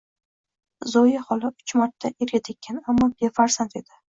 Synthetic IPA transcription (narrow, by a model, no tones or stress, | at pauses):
zɒjahɒlˠɪʊt͡ʃmaɾt̪ʰːaʔeɾɡʲat̪ʰekʲːanamːɒbefaɾsant̪e̞d̪̥ɪ